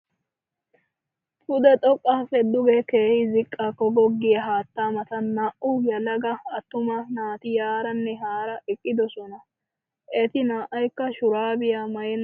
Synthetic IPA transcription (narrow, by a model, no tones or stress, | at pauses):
fʊd̪ɛt̪ʼɔkʼːɐfɛd̪ːʊɡɛkeːhɪzɪkʼːaːkːɔɡɔɡːɪjɐɦaːt̪ːaːmɐt̪ɐnaʔʔʊjɐlɐɡɐɐt̪ːʊmɐnaːt̪ɪjaːɾɐnːɛɦaːɾɐʔɪkʼːɪd̪ɔsɔnɐ | ʔɛt̪ɪnaːʔɐjkːɐʃʊɾaːbɪjamɐjɛn